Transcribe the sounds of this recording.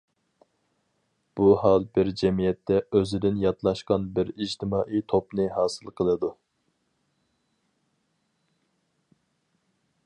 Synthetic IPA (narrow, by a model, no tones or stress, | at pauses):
b̥uhɑlˠbɪɾd͡ʒɛmijɛt̪ʰːɛʔøzɪd̪ɪnjɑt̪lˠɑʃqɑnbɪɾid͡ʒt̪ʰɪmɑːʔijt̪ʰopnɨɦɑːsɨlˠqʰəlˠɨd̪u